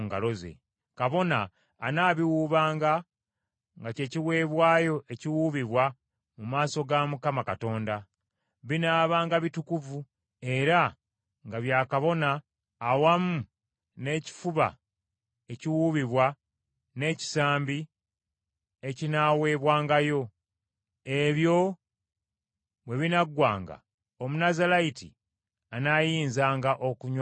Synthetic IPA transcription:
ŋɡa̰lo̞zḛ | kaβo̞naː | naːβiwuːβaːŋɡa | ŋɡace̞ːciwe̞ːβwaːjo̞ʔe̞ciwuːβiβwa | mumaːso̞ɡamukamakato̞ːnda | βinaːβaːŋɡaβitukuvu | e̞ɾa | ŋɡaβjaːkaβo̞naː | wamu | ne̞ːci̥fuβa̰ | eciwuβiβwa | ne̞ːci̥saːmbi | e̞cinaːwe̞ːβwaːŋɡajo̞ | e̞βjo̞ | we̞βinaɡwa̰ːŋɡa̰ | omunazalaitḭ | anajiːnzaːŋɡaʔo̞kuɲ

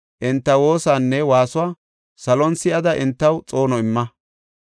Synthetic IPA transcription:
ʔɪnt̪ːɐwo̞ːsaːnːɛwaːsʊwaː | sɐlɔnsɪɐd̪ɐʔɪnt̪ːɐwt͡sʼo̞ːnɔɪmːɐ

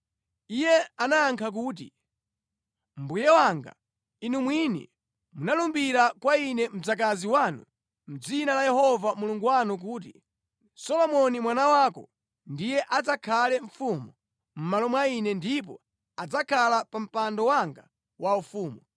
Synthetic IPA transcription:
ijɛanaːŋkʰak̬uːt̬ḭ | m̩bujɛwaŋɡa̰ | inumwinḭ | munalumbiɾakwainɛm̩d͡zak̬aziwaːnṵ | m̩d͡zinalajɛhɔvamuluŋɡuwanuk̬uːt̬ḭ | sɔlɔmɔnimwanawaːkɔ̰ | ndijɛʔad͡zakʰalɛɱ̩fumu | m̩malɔmwainɛndip̬ɔ̰ | ad͡zakʰalapam̩pandɔwaŋɡa | waufuːmu

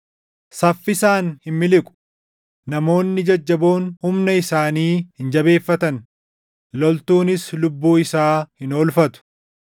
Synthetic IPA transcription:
sɐfːɪsaːnhɪnmɪlɪkʼʊ̥ | nɐmo̞ːnːɪd͡ʒɐd͡ʒːɐbo̞ːnhʊmnɐɪsaːniːhɪnd͡ʒɐbe̞ːfːɐt̪ɐn | lɔlt̪uːnɪslʊbːuːɪsaːhɪno̞ːlfɐt̪ʊ̥

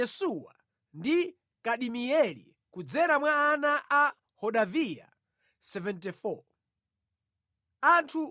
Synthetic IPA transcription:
ɛsuwa̰ | ndi | kaɗimiɛlḭ | kud͡zɛɾamwaːnaʔa | hɔɗavija̰ | sɛvɛntifɔ | antʰu

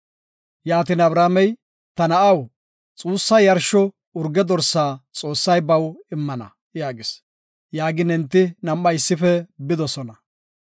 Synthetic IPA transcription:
jaːt̪ɪnɐbɾaːmɛj | t̪ɐnɐʔɐw | t͡sʼuːsːɐjɐɾʃɔ | ʊɾɡɛd̪ɔɾsaːt͡sʼo̞ːsːɐjbɐwɪmːɐnɐ̰ | jaːɡɪs | jaːɡɪnɪnt̪ːɪnɐmːɐjɪsːɪfɛbɪd̪ɔsɔnɐ

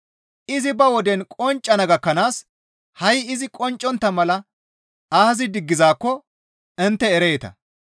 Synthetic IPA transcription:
ʔɪzɪbɐwɔd̪ɛnkʼɔnt͡ʃʼːɐnɐɡɐkːɐnaːs | hɐjɪzɪkʼɔnt͡ʃʼːɔnt̪ːɐmɐlɐ | aːhɐzɪd̪ɪɡːɪzaːkːɔ | ɪnt̪ːɛːɾɛjːt̪ɐ̰

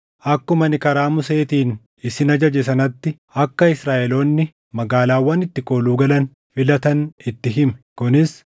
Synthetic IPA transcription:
ʔɐkːʊmɐnɪkɐɾaːmʊse̞ːt̪iːn | ɪsɪnɐd͡ʒɐd͡ʒɛs̬ɐnɐt̪ːɪ | ɐkːɐɪsɾaːʔɛlo̞ːnːɪ | mɐɡaːlaːwːɐnɪt̪ːɪkʼoːluːɡɐlɐn | fɪlɐt̪ɐnɪt̪ːɪɦɪmɛ̥kʊnɪs

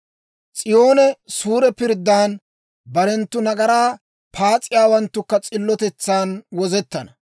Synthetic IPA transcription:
t͡sʼɪjo̞ːnɛsuːɾɛpɪɾd̪ːaːn | bɐɾɛnt̪ːʊnɐɡɐɾaː | pʰaːt͡sʼɪjaːwɐnt̪ːʊkːɐt͡sʼɪlːɔt̪ɛt͡sːaːnwɔzɛt̪ːɐnɐ

